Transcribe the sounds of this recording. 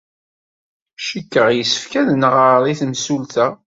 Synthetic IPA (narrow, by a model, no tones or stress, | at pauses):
ʃikːəʁjəsːə̥fkæðnəʁəɾðˤiθmsult̪æ